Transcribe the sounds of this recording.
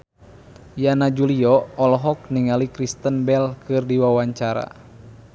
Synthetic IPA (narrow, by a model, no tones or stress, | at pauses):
janad͡ʒuliɔɔlɔɦɔk̚niŋalikɾist̪ənbɛlkɨrdiwawaɲt͡ʃaɾa̰